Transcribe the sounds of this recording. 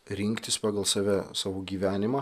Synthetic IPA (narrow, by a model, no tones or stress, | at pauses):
ɾʲɪŋʲkt̪ʲɪspɑːɡɐlˠsɑːʋʲɛsɑːʋoːɡʲiːʋʲæːnʲɪmɑː